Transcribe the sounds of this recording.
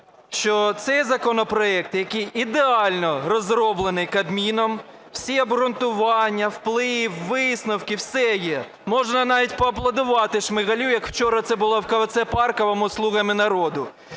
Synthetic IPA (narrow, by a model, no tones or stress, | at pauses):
ʃt͡ʃɔt̪sɛjzɐkɔnɔpɾɔɛk̚t̪jɐkijid̪eɑlʲnɔrɔzɾɔblˠenɪjkɐd̪mʲinɔm | w̥sʲiɐbɾʊnt̪ʊʋɑnʲːɐwplˠɪwːɪsnɐwkɪwsɛjɛ | mɔʒnɐnɑʋʲitʲpɔɐplˠɐd̪ʊʋɑt̪ɪʃmɪɣɐlʲujɐkw̥t͡ʃɔɾɐt̪ɛbʊlˠɔwkɐʋɐt̪sɛpɑrkɔʋɔmʊslˠuɣɐmɪnɐɾɔd̪ʊ